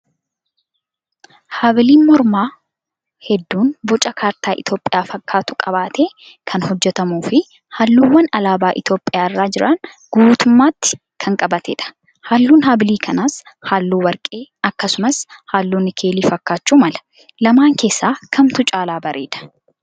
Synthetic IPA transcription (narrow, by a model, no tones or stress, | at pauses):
haːbɪliːnmɔɾmaː | hɛd̪ːuːnbɔt͡ʃʼɐkʰaːɾt̪aːʔɪt̪o̞ːpʼɪjaːfɐkʰːaːt̪ʊkʼɐbaːt̪eː | kʰɐnhɔd͡ʒːɛt̪ɐmuːfɪ | haːlːuːwːɐnɐlaːbaːʔɪt̪jo̞ːpʼːɪjaːɪrːaːd͡ʒɪɾɐn | ɡ̥uːt̪ʊmːaːt̪ːɪ̥ | kʰɐŋkʼɐbɐt̪ɛ̰ᶑɐ̥ | haːlːuːnɦaːbɪliːkʰɐnaːshaːlːuːwɐɾkʼe̞ːɐkːɐsʊmɐshaːlːuːnːɪkʰe̞ːliːfɐkːaːt͡ʃːuːmɐlɐ̥ | lɐmaːŋke̞ːsːaːkʰɐmt̪ʊt͡ʃʼaːlaːbɐɾʔeːᶑ̪ɐ̥